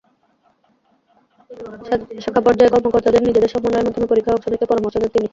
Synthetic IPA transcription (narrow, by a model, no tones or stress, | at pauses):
ʃɔkʰːapɔɾd͡ʑaekɔɾmokoɾt̪ad̪eɾnid͡ʑed̪eɾʃɔbmoneeɾmad̪ʱːomepoɾikʰːaɔkʃonek̪epɔɾomoɾʃod̪eɾt̪ini